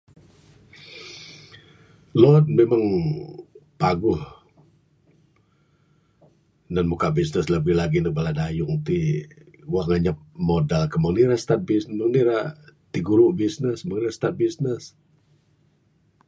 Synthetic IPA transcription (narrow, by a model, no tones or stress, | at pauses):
lɔt̪̚memaŋ | paɡʊh | nanmukaʔbisnəsləbɪhlaɡinək̚baladajʊŋt̪i | waŋaɲap̚modalkəməŋniɾast̪at̪̚bisməŋniɾat̪iɡuɾʊʔbisnəsməŋniast̪at̪̚bisnəs